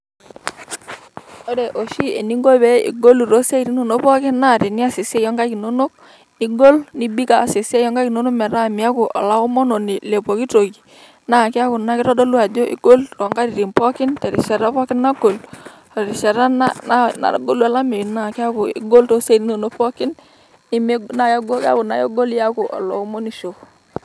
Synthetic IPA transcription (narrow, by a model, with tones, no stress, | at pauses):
ɔ˦dɛ˨ʔo˨ʃi˦e˨ni˦ŋɡo˦bɛ˦ḭ˨ɡo˦lu˨ɾo˦se˦i˨ɾi˦no˨no˦pɔ˦kɪ˦nnːa˦˨ɾɪ˨ni˦a˦sɪ˨sɛ˦jɔ˦ŋɡa˦ki˨no˦no˦k̚ | i˦ɡo˦lni˦bi˦ka˨se˨sɛ˦jɔ˦ŋɡa˦ki˨no˦no˦k̚mɛ˨ɾa˦˨mi˨a˦ku˨ʔɔ̰˨la˦ɔ˦mɔ˦no˨ni˨lɛ˨po˨ki˦to˨ɡi˨ | na˨kɪ˦a˦kʊ˨na˦kɪ˦ɾɔ˦dɔ˦lu˦a˨d͡ʒo˦ʔḭ˦ɡo˦lrɔ˨ŋɡa˦ɾi˨ɾi˨mpɔ˦kɪ˦ntɛ˨ɾḭ˨ʃɛ˨ɾa˦pɔ˦kɪ˦nnːa˦ɡo˨l | ɔ˨ɾi˨ʃɛ˨ɾa˦na˦na˦na̰˨˦ɡo˦lu˦a˦la˦mi˨na˦˨kɪ˦a˦kʊ˨ḭ˦ɡo˦lto˦se˦˨ni˦no˨no˦kpɔ˦kɪ˦n | i˦me˦na˨jɔ˦ɡo˦ka̰˦kʊ˨na̰˨jɔ̰˦ɡo˦lja˦ko˨ʔɔ̰˨lɔ̰˨u˦mo˦ni˨ʃo˨